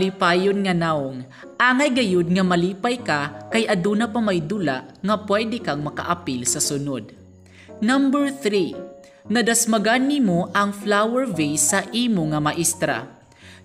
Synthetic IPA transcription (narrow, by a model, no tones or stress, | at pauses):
lipaːjonŋɐnaoŋ | ʔaːŋɐjɡɐjod̪̚ŋɐmɐliːpajkakajʔɐd̪unɐpɐmajd̪ula̰ʔŋɐpwɛd̪ɛkaŋmɐka̰ʔɐpilsɐsʊnod̪̚ | nambɛɹθɾi | nɐd̪asmɐɡanːimoʔɐŋflawɛɹvejsɐʔiːmoŋɐmɐʔist̪ɾa̰